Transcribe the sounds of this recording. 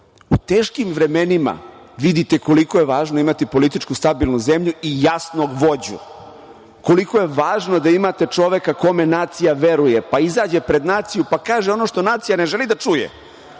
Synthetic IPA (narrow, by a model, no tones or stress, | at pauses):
ut̪eːʃkimʋɾe̞me̞nima̰ | ʋid̪it̪eko̞liko̞jeʋaːʒnoimat̪ipo̞lit̪it͡ʃkust̪abiːlˠnuze̞mʎuijasnoɡʋo̞d͡ʑṵ | ko̞liko̞jeʋaːʒno̞d̪aimat̪e̞t͡ʂo̞ʋe̞kako̞me̞naːt̪sijaʋe̞ɾuje̞paizaːd͡ʑepɾe̞d̪naːt̪sijupakaːʒeo̞no̞ʃt̪o̞naːt̪sijane̞ʒelid̪at͡ʃujḛ